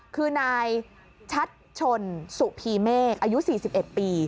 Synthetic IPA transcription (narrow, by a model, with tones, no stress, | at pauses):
kʰɯː˧naː˧j | t͡ɕʰa˦˥t̪̚t͡ɕʰo˧nsu˨˩pʰiː˧meː˥˩k̚ʔaː˧ju˦˥siː˨˩si˨˩p̚ʔe˨˩t̪̚piː˧